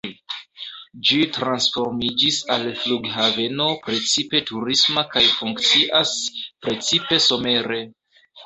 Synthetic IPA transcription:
d͡ʒitɾansfo̞ɾmid͡ʒisalfluɡhave̞no̞pɾe̞t͡sipe̞tuɾismakajfuŋkt͡siʔaspɾe̞t͡sipe̞so̞me̞ɾe̞

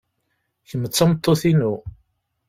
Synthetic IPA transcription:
çəmət͡sːɑmət̪ˤːoθinu

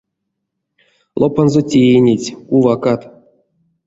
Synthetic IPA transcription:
lˠopanzotʲejenʲetʲkuvakat̪

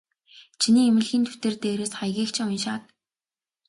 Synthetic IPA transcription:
t͡ɕʰiniːemɘ̆ɮxiːnt̪ʰu̥t̪ɘ̆rt̪eːɾeːsχajɣʲiːkt͡ɕʰɪŋʊnʃaːt̪̚

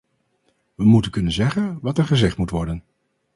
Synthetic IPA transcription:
ʋəmutənkɵnənzɛχənʋɑtɛɹχəzɛχtmutʋɔɹdən

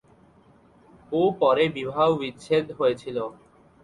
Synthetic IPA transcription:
opɔɾebibʱaʋʋit̪ʃʰet̪ɦoet͡ʃʰilo

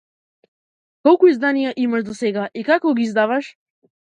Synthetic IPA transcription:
kɔlˠkuizd̪anijaʔimaʃd̪ɔsɛɡaʔikakɔɡiːzd̪avaʃ

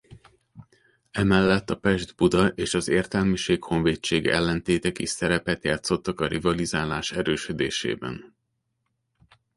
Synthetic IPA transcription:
ɛmɛlːɛt̪ːɒpɛʒd̪bud̪ɒʔeːʃɒzeːrt̪ɛlmiʃeːkho̞ɱveːt͡ʃːeːɡɛ̰lːɛnt̪eːt̪ɛkisɛɾɛpɛt̪jaːt̪so̞t̪ːɒkɒɾivɒlizaːlaːʃɛɾøːʃød̪ḛːʃḛːbɛ̰n

